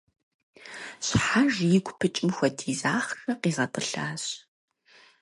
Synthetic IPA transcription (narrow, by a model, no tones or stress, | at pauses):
ɕħaʒjɪɡʷpʰɨt͡ʃʼɪmxʷɔdʰiːzaːχxɐqiːzɐtʼɨɬaːɕ